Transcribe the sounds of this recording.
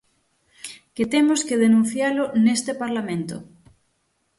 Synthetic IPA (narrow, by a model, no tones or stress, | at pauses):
ket̪emoskeðenũn̟θjalonest̪epaɾlamẽnt̪o̰